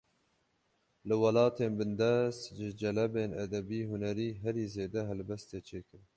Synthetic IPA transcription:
lɨwɑlɑːt̪ʰeːnbɨnd̪ɛst̪ʒɪd͡ʒɛlɛbeːnɛd̪ɛbiːhunɛɾiːɦɛɾiːzeːd̪ɛɦɛlbɛst̪eːt͡ʃʰeːkɨɾ

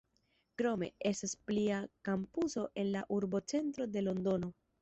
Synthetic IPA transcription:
kɾo̞me̞̰e̞staspliakampuso̞ʔe̞nlaʔuɾbo̞t͡se̞ntɾo̞de̞lo̞ndo̞no̞

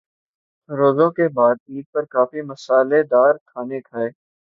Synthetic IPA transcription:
ɾoːzõkebaːd̪̚iːd̪̚pɐɾkaːfimɐsaːled̪aːɾkʰaːnekʰaːeː

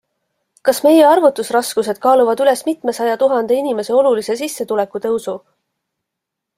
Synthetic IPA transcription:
kɑsme̞je̞ɑrvut̪ːˑusrɑskuse̞d̪̥̚kɑːluvɑd̪yle̞smit̪me̞sɑjɑt̪uɦɑnd̪̥e̞inime̞se̞o̞lulise̞sisːe̞t̪ule̞kːˑut̪eusu

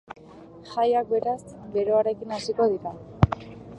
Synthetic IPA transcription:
xajak̚be̞ɾasɡe̞ɾo̞aɾe̞kinasiko̞ð̞iɾa

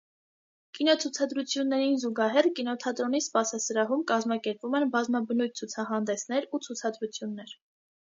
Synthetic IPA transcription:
kinɔt͡sʰut͡sʰɑd̪ɾut͡sʰjunːɛɾinzuɡɑɦɛrkinɔt̪ʰɑt̪ɾɔnispɑsɑsəɾɑɦumkɑzmɑkɛɾpvumɛnbɑzmɑbənujt̪̚t͡sʰut͡sʰɑɦɑnd̪ɛsnɛɾut͡sʰut͡sʰɑd̪ɾut͡sʰjunːɛɾ

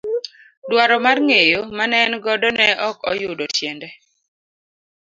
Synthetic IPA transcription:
dwaɾɔmarŋejomanɛnɡɔdɔnɛʔɔkɔjʊdɔtjɛndɛ

